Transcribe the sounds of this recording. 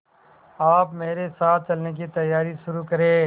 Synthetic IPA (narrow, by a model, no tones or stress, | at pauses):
aːpmeːɾesaːt̪̚ʰt͡ʃɐlneːk̬it̪ɐjaːɾiʃʊɾuːkəɾeː